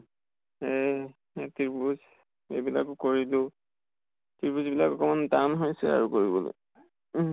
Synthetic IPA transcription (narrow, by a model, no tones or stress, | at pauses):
e | tiɹbuz | ḛjbila̰kʊkoɹilʊ | tiɹbuzbilakɔkɔmantanɦojsɛa̰ɹukoɹibɔ̰lo̰j